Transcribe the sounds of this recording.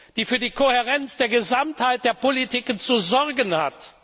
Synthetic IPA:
d̥iːfyːɐdiːkʰoheʁɛnt͡sd̥eːɐɡəzamthaɪt̚d̥eːɐpolitʰikənt͡suzɔɐɡənhat

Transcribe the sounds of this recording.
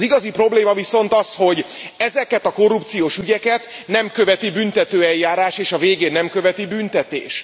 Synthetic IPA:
ziɡɒzipɾo̞bleːmɒviso̞nt̪ɒsho̞ɟɛzɛkɛt̪ɒko̞rːupt̪sijoːʃyɟɛkɛt̪ | nɛmkøvɛt̪ibynt̪ɛt̪øːɛljːaːɾaːʃeːʃɒveːɡeːnːɛmkø̞vɛt̪ibynt̪ɛt̪ḛːʃ

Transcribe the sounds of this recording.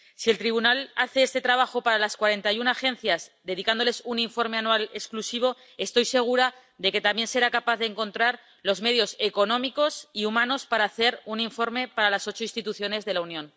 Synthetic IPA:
sie̞lt̪ɾiβ̞unalaθe̞est̪e̞t̪ɾaβ̞axo̞paɾalaskwaɾe̞nt̪ajunaxẽ̞n̟θjazd̪e̞ð̞ikand̪o̞le̞suniɱfo̞ɾme̞anwalesklusiβ̞o̞ | e̞st̪o̞jse̞ɣ̞uɾa | ðe̞ke̞t̪ambje̞nse̞ɾakapaθðeŋkõ̞nt̪ɾaɾ | lo̞zme̞ð̞jo̞se̞ko̞nõ̞miko̞siumãno̞spaɾaːθe̞ɾuniɱfo̞ɾmepaɾalaso̞t͡ʃoinst̪it̪uθjo̞ne̞zðe̞launjõ̞n

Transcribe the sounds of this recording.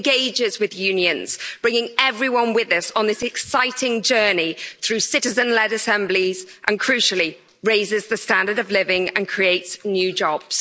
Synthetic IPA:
ɡeɪd͡ʒɪzwɪðjʉ̃ːnjə̃nz̥b̥ɹɪ̃ŋɪ̃ŋɛvɹiwʌ̃nwɪðəsn̩ðɪsɛksaɪtʰɪ̃ŋd͡ʒɜːniθɹʉːsɪtɪzə̃nlɛdəsɛ̃mbliz̥ʔə̃nkʰɹ̥ʉˑʃəlˠi | ɹeɪzɪzðəstãndədəvlɪvɪ̃ŋə̰̃nkʰɹ̥ieɪtsnjʉːd͡ʒɒb̥z̥

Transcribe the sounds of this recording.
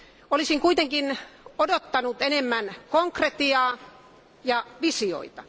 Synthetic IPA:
olisiŋkuit̪eŋkinodot̪ːɑnut̪enemːænkoŋkret̪iɑː | jɑʋisio̰it̪ɑ

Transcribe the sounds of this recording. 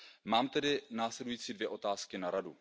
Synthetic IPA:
maːmt̪ɛdɪnaːslɛdujiːt͡siːdvjɛʔo̞t̪aːskɪnaɾadu

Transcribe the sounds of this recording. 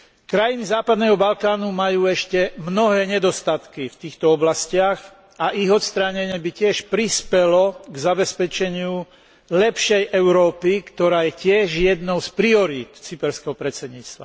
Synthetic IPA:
kɾajinizaːpad̪nɛɦɔbalkaːnumajuːɛʃcɛmnɔɦɛːɲɛd̪ɔst̪at̪kift̪iːxt̪ɔɔblascɪaɣ | aʔiɣɔt̪st̪ɾaɲɛɲɛbicɪɛʃpɾispɛlɔɡzabɛspɛt͡ʃɛɲɪu | lɛpʃɛjʔɛʊɾɔːpikt̪ɔɾaːjɛcɪɛʒjɛd̪nɔʊspɾiɔɾiːt̪t͡sipɛɾskɛɦɔpɾɛt͡sɛd̪ɲiːt͡st̪ʋa̰

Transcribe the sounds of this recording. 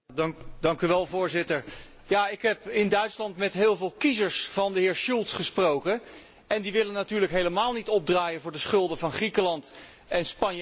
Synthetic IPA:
dɑŋkyʋɛlˠvʊːɹzɪtəɹ | jaːɪkɦɛpɪndœɥtslɑntmɛtɦɪːlˠvɪːlˠkizəɹsvɑndəɦɪːɹʃulˠtsχəsprowkə | ɛndiʋɪlənːatyːɹləkɦejləmaːlˠnitɔb̚draːjənvʊːɹdəsχɵlˠdəvɑnχrikəlɑnt | ɛnspɑn

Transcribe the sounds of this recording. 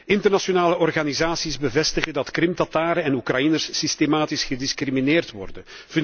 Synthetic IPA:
ɪntərnasonaːləɔrɣaːnizaːsizbəvɛstəɣədɑtkrɪmtɑtaːɾəɛnukrɑjinərsːistemaːtisxədɪskrimineːrtʋɔ̰rdən | f

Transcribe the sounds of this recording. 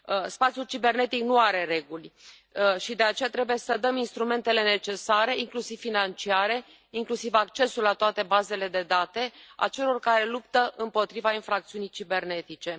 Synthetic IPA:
spat̪sijult͡ʃibe̞rne̞t̪iknuaɾe̞re̞ɡulʲ | ʃid̪e̞at͡ʃe̞jat̪ɾe̞buje̞səd̪əminst̪ɾume̞nt̪e̞le̞ne̞t͡ʃe̞saɾe̞iŋklusiv̥finant͡ʃiaɾe̞ | iŋklusivak̚t͡ʃe̞sulat̪oat̪e̞baze̞le̞d̪e̞d̪at̪e̞a̰t͡ʃe̞lo̞rkaɾe̞lupt̪əʔɨmpo̞t̪ɾivainfɾak̚t̪siunijt͡ʃibe̞rne̞t̪it͡ʃe̞

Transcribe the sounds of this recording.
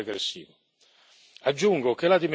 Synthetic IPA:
eɡɾesːḭːvo | ad͡ʒːuŋɡokelad̪im

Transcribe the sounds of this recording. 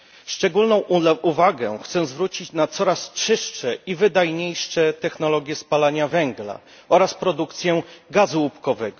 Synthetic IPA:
ʂt͡ʂɛɡulnɔ̃w̃uvaɡɛxt̪sɛzvɾut͡ɕit͡ɕnat̪sɔɾast͡ʂɘʂtɛivɘd̪ajɲejʂɛt̪ɛxnɔlɔɡʲjɛspalaɲavɛŋɡla̰ | ʔɔɾaspɾɔd̪ukt̪sʲjɛɡazuupkɔvɛɡɔ

